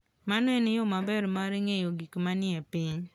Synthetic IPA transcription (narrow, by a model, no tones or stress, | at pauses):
manɛnɪjomabɛɾmaɾiŋejoɡikmanɪɛpiɲ